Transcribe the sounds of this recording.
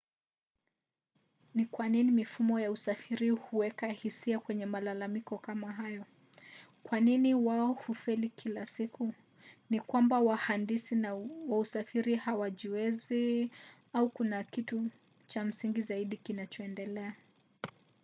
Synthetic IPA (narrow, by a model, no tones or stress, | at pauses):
nikwaninimifumɔjausafiɾihuwɛkahisiakwɛɲɛmalalamikɔkamaɦajɔ | kwaniniwaɔhufɛlikʰilasiku | nikwambawahandisinwausafiɾihawaʄiwɛzi | aukunakitu | t͡ʃam̩siŋɡizaiɗikinat͡ʃɔɛndɛlɛa